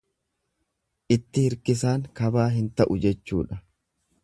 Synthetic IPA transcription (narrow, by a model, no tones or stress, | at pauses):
ʔɪt̪ːɪhɪɾkɪs̬aːŋkɐbaːɦɪnt̪ɐʔʊd͡ʒɛt͡ʃːṵːᶑɐ